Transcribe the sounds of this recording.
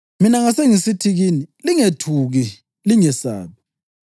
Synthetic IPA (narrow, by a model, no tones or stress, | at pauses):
minaŋaseŋisitʰiɣiːniliŋetʰuɣi | liŋɛsa̰ːβi